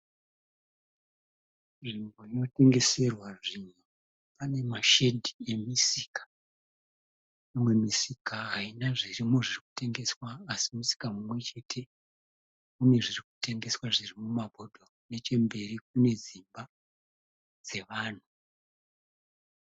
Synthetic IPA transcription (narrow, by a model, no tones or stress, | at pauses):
ʐimbo̞ino̞te̞ŋɡe̞se̞rwaʐinu | pane̞maʃe̞dʱie̞misikḁ | imwe̞misikaɦainaʐirimoʐiriku̥te̞ŋɡe̞swaːsimusi̥kamumwe̞t͡ʃe̞tʰe̞ | une̞ʐiriku̥te̞ŋɡe̞swaʐirimumabʱo̞dʱo̞ | ne̞t͡ʃe̞mbe̞rik̚une̞d͡zimba | d͡ze̞ʋaːn̤u